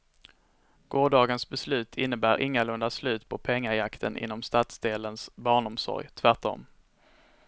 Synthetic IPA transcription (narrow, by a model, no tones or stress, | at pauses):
ɡ̥oːɖɑːɡənsbɛslʉ̟ːt̪ʰɪnːəbæːɾʔɪŋːalɵnd̪aslʉ̟ːt̪pʰɔpʰɛŋːaɾjakt̪ʰənʔɪ̰nːɔmst̪at̪sd̪eːlənsbɑːɳɔmsɔ̰ɾjt̪ʰvæʈɔ̰m